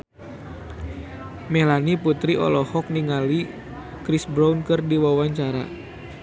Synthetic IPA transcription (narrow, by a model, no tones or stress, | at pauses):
melaniput̪ɾiɔ̰lɔhɔk̚niŋali | kɾisbɾawnkɨrdiwawaɲt͡ʃaɾa̰